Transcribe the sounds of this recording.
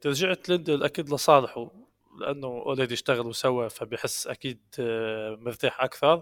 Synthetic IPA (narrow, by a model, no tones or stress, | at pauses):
t̪ɾʒəʕt̪lɪnd̪ilʔækiːd̪ləsˤɑːlħu | lɪʔæ̰nːʊʔʊlæd̪ijəʃt̪aɣəlwsæwːæfæbjħəsːʔækiːd̪̚ | məɾt̪aːħʔakθɑɾˤ